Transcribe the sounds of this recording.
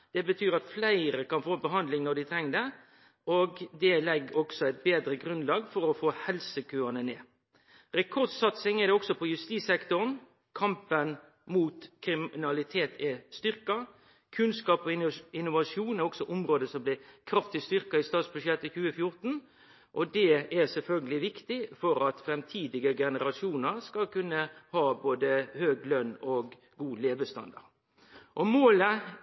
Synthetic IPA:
d̪̥ɛbət̪ʰyːɾɑt̪flæɪɾəkɑnfoːbəɦɑnd̪lɪŋnɔd̪ɪt̪ʰɾɛŋːd̪ɛ | oɡd̪ɛlɛɡːɔɡ̥sɔæɪt̪̚beːd̪ɾəɡʁʉnlɑːɡfɔɾɔfoːhɛlsəkʰøːɑnəneː | ɾɛkʰɔʁd̪sɑt̪sɪŋɛd̪ɛɔksɔpʰɔjʉst̪iːsɛkt̪ʊɾn | kʰɑmpən | muːt̪kʰɾɪmɪnɑlɪt̪ʰeːt̪ʰɪst̪ʏʁkɑ | kʰʉnskɑːpɔɪɪnːʊʋɑʂjuːnɛɾɔksɔʔʊmɾoːd̪əsɔmblɪkʰɾɑft̪ɪst̪ʏɾkɑɪst̪ɑːt̪sbʉʃjɛt̪ːəçʉːəfjʊɾt̪n̩ | ʔɔd̪ɛæʁsɛlfœlɡəlɪʋɪkt̪ɪfɔɾɑt̪fɾɛmt̪ʰiːd̪ɪɡəɡɛnəɾɑʂjuːnəɾskɑlkʉnːəhɑːboːd̪əhøːɡlœnːɔɡ | ɡuːleːʋəst̪ɑ̰nd̪ɑ̰ɾ | ʔɔmoːlə

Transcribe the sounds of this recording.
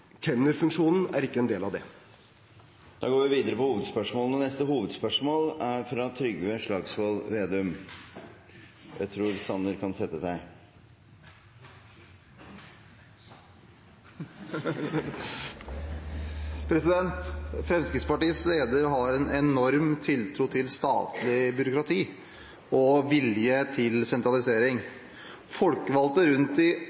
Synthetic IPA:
k̪ʰɛnəɾfʉŋʂuːnn̩æɾɪkːəɛnd̪eːlɑʋd̪ɛ | d̪̥ɑ̰ːɡoːɾʋɪʋiːd̪əɾəpɔhuːʋəd̪spœʂmoːlənənɛst̪əhuːʋəd̪spœʂmoːlæɾfɾɑt̪ʰɾʏɡʋəʂɭɑːɡsʋoːlʋeːd̪ʉm | jʔæ̰ɪt̪ʰɾuːɾsɑnəɾkʰɑnsɛt̪ːəsæɪ | pʰɾɛsɪd̪ɛnt̪fɾɛmskɾɪtspɑʈiːəsleːd̪əɾɦɑɾɛnɛnɔɾmt̪ʰɪlt̪ʰɾuːt̪ʰɪlst̪ɑ̰ːt̪lɪbʏɾʊkɾɑt̪ʰiː | ɔʋɪljət̪ʰɪlsɛnt̪ɾɑlɪseːɾɪŋ | fɔlkəʋɑlt̪əɾʉnt̪ɪ

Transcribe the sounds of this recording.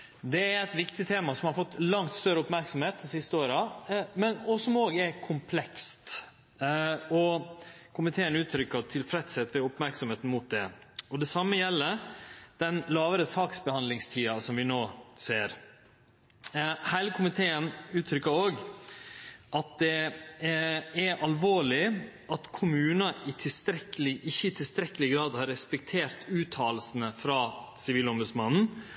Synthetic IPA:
d̪ɛæɾɛɪt̪ʋɪkt̪ɪt̪ʰeːmɑsɔmhɑɾfɔt̪ːlɑŋt̪st̪œɾəʊpmæɾksɔmheːt̪̚d̪ɪsɪst̪əoːɾɑmɛnɔsɔmoːɡəɛɾkʰʊmpʰlɛkst̪ | ɔ | kʰʊmɪt̪ʰeːənʉːt̪ʰɾʏkːət̪ʰɪlfɾɛt̪sɛt̪ːʋɛʊpmæɾksɔmheːt̪n̩mʊt̪̚d̪ɛ | ɔd̪ɛsɑmːəjɛlːəd̪̥ɛnlɑːʋəɾəsɑːksbəhɑnd̪lɪŋst̪ʰiːɑsɔmʋɪnoːseːɾ | hæɪləkʰʊmɪt̪ʰeːənʉːt̪ʰɾʏkːəoːɡ | ʔɑt̪̚d̪ɛ | æʔɑlʋoːɭɪ | ʔɑt̪kʰʊmʉːnɑʔɪt̪ʰɪst̪ɾɛkːəlɪʔɪçːəɪt̪ʰɪlst̪ɾɛkːəlɪɡɾɑːd̪hɑɾɛspɛk̚t̪ʰeːɾt̪ʉːt̪ʰɑːləsən̩əfɾɑːsɪʋiːlɔmbʉd̪smɑnn̩

